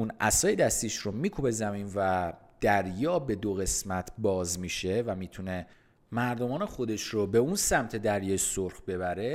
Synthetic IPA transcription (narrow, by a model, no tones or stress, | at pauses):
unʔæ̰sɒːjed̪æst̪iːʃɾomiːkʰube̞zæmiːnvæd̪̥æɾjɒːbe̞d̪oɣe̞smæt̪ʰbɒːzmiːʃe̞væmiːt̪ʰune̞ | mæɾd̪o̞mɒːnexo̞d̪e̞ʃrobe̞unsæmt̪ʰe̞d̪æɾjɒːjsoɾxbe̞βæɾe̞